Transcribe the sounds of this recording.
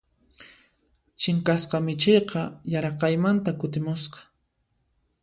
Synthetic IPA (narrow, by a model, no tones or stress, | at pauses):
t͡ʃɪŋkasqɑmɪt͡ʃejqɑjaɾɑqɑjmant̪akʊt̪ɪmʊsqɑ̥